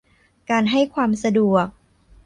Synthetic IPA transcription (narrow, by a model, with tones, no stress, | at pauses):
kaː˧nɦa˥˩jkʰwaː˧msa˧du˨˩ək̚